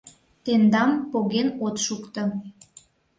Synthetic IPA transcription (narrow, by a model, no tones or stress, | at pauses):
t̪end̪ɑmpoɣenot̪ʃukt̪ɤ̆